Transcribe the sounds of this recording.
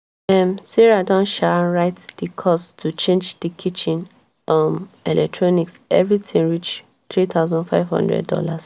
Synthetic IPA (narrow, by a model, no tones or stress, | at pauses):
ɛ̃msiɹadɔ̃nʃaɹaɪtd̥ikʰɔstʰut͡ʃẽnd͡ʒdikʰit͡ʃĩn | ɔmɛlʔɛ̰k̚tʰɹɔniksɛvɹitʰĩŋɹit͡ʃ | t̪ɹit̪ʰaʊzɔ̃ndfaɪvhɔ̰̃ndɹɛ̰dɔ̰las